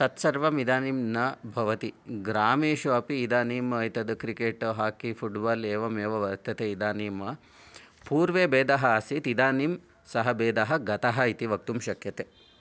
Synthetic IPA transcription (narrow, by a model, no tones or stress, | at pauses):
sɐt̪sɐɾʋɐmid̪aːnimnɐbʱɐʋɐt̪iɡɾaːmeːʃɐɐpiːd̪aːniːmɐɐjt̪ɐd̪ɨkɾikeːʈɦaːkipʰuʈbaːleːʋɐmeːʋɐʋɐɾt̪ɐt̪eid̪aːniːmɐ | puːɾʋeːbeːd̪ɐɦɐɐsit̪id̪aːnim | sɐɦɐbeːd̪ɐɦɐ̆ɡɐt̪ɐɦɐit̪iʋɐk̚t̪umʃɐkʰjɐt̪e